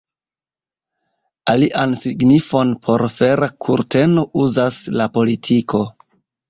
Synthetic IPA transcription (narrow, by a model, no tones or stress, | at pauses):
aliʔansiɡnifo̞npʰo̞ɾfeɾakʰuɾtʰe̞no̞uzaslapo̞litʰikʰo̞